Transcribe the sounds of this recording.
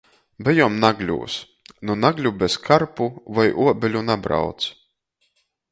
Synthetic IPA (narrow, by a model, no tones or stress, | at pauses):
bɛjumnaɡlʲṵːs | nunaɡlʲubɛskʰaɾpuvajʔuɔbʲelʲunabɾa̰wt̪s